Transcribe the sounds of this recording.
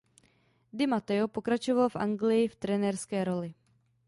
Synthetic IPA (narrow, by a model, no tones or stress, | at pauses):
d̪ɪmat̪ɛopokɾat͡ʃovalfʔa̰ŋɡlɪjɪft̪ɾɛnɛɾskɛːɾo̞lɪ